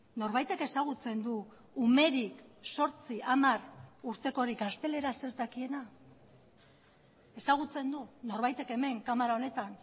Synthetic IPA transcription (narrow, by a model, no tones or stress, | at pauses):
no̞ɾβajt̪e̞ke̞saɣ̞ut͡se̞nd̪uː | me̞ɾikso̞ɾt͡siamaruɾt̪e̞ko̞ɾikast̪e̞le̞ɾase̞ɾt̪akie̞na | e̞saɣ̞ut͡se̞nd̪uno̞ɾβajt̪e̞ke̞me̞ŋkamaɾao̞ne̞t̪an